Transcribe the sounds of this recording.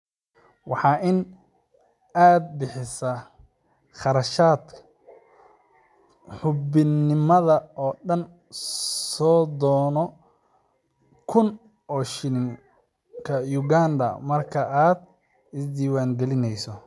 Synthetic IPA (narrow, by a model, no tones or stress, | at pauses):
wɑħɑːʔɪn | aːd̪̚bɪħɪsɐ | χɑɾɐʃaːd̪kʰ | ħʊbɪnːɪmɐðɐɔːɗɐn | sɔːd̪ɔːnɔ | kʰʊn | ɔːʃɪnɪŋ | kʰɐjʊɡaːnd̪ɐ̰mɐrkʰɐʔaːd̪ | ɪsd̪iːwaːŋɡɛlɪnɛjsɔ